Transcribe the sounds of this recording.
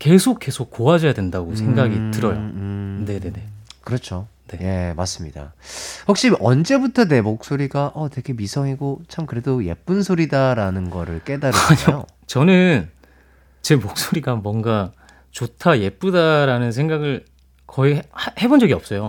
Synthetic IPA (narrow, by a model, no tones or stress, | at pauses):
ke̞sʰok͈̚ːe̞sʰok̚k͈ːoad͡ʑʌjadwe̞ndaɡosʰe̞ŋɡaɡitɯɾʌjo̰ɯne̞ne̞ne̞kɯɾʌt͡ɕʰone̞je̞mas͈ɯmɲida̰ɸʌk̚ɕ͈iʔʌnd͡ʑe̞butʰʌne̞mok̚s͈oɾiɡaʔʌteɡe̞misʰʌŋiɡot͡ɕʰamkɯɾe̞doje̞̰p͈ɯnsʰoɾidaɾanɯnɡʌɾɯɭk͈e̞daɾɯɲojo̰ | t͡ɕʌnɯn | t͡ɕe̞mok̚s͈oɾiɡamwʌŋɡa | t͡ɕotʰaje̞p͈udaɾanɯnsʰe̞ŋɡaɡɯɭ | kʰʌihhe̞bond͡ʑʌɡiʌp̚s͈ʌjo